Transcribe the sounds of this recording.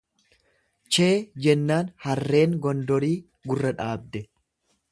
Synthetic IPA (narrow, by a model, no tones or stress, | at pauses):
t͡ʃeːd͡ʒɛnːaːnhɐrːe̞ːŋɡɔnd̪ɔɾiː | ɡʊrːɐᶑaːb̚d̪ɛ